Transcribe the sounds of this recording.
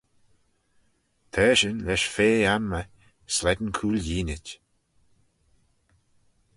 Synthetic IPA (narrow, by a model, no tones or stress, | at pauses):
t̪ʰɛːʃənlɛʃfeːanmə | slɛd̪ənkʰuːljiːnɪtʲ